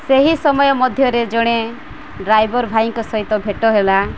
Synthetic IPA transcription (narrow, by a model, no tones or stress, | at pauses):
seɦisɔmɔjɔmɔd̪ʱjɔɾed͡ʒɔɽ̃e | ɖɾajbɔɾbʱaiŋkɔsɔɦit̪ɔbʱeʈɔɦela